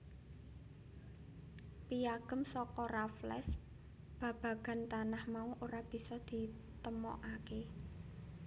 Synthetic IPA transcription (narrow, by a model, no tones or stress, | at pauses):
pijaɡ̥ə̤msɔkɔraflɛ̰s | b̥ä̤b̥ä̤ɡ̥a̤nt̪anahmauʔoɾab̥i̤sɔd̪̥i̤ | t̪əmɔ̰ʔake